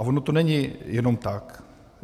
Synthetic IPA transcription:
avonot̪onɛɲɪjɛno̞mt̪ak

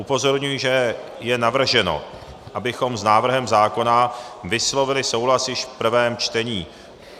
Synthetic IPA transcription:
ʔupo̞zo̞ɾɲujɪʒɛ | jɛnavr̩ʒɛno̞̰ | ʔabɪxo̞mznaːvr̩ɦɛmzaːko̞navɪslo̞vɪlɪso̞wɦlasjɪʃfpr̩vɛːmt͡ʃt̪ɛɲiː

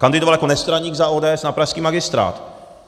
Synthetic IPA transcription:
kand̪ɪdovaljakonɛst̪ɾaɲiːɡzaoːdɛːɛsnapɾaʃskiːmaɡɪst̪ɾa̰ːt̪

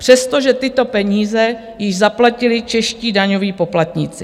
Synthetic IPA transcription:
pr̝̥ɛst̪o̞ʒɛt̪ɪt̪o̞pɛɲiːzɛ | jɪʒzaplacɪlɪt͡ʃɛʃciːdaɲoviːpo̞plat̪ɲɪt͡sɪ

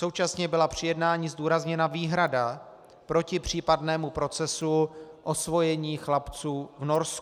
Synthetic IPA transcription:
so̞wt͡ʃasɲɛbɪlapr̥ɪjɛdnaːɲiːzduːɾazɲɛnaviːɦɾada | pɾo̞cɪpr̝̥iːpadnɛːmupɾo̞t͡sɛsuʔo̞svo̞jɛɲiːxlapt͡suːvno̞ɾsku

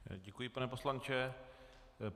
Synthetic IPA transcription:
ɟɛkujipanɛposlant͡ʃɛ

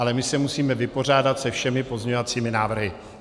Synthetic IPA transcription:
alɛmɪsɛmusiːmɛvɪpo̞r̝aːdat̪sɛfʃɛmɪpo̞zɲɛɲovat͡siːmɪnaːvr̩ɦɪ

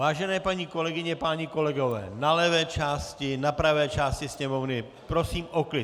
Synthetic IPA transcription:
vaːʒɛnɛːpaɲiːko̞lɛɡɪɲɛpaɲɪko̞lɛɡo̞vɛ̰ːnalɛvɛːt͡ʃaːscɪnapɾavɛːt͡ʃaːscɪsɲɛmo̞vnɪ | pɾo̞siːmʔoklɪ

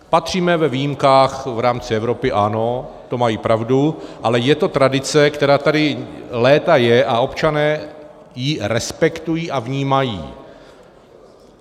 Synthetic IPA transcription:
pat̪r̝̥iːmɛvɛvijimkaːxvɾaːmt͡sɪɛvɾo̞pɪʔano̞ | t̪o̞majiːpɾavduʔalɛjɛt̪o̞t̪ɾadɪt͡sɛkt̪ɛɾaːt̪adɪlɛːt̪ajɛʔao̞pt͡ʃanɛː | jɪɾɛspɛkt̪ujiːʔavɲiːmajḭː

